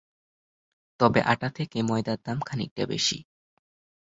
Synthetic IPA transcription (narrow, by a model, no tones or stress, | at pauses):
t̪ɔbeʔaʈat̪ʰekemɔjd̪ad̪ːamkʰanḛk̚ʈa̰bḛʃḭ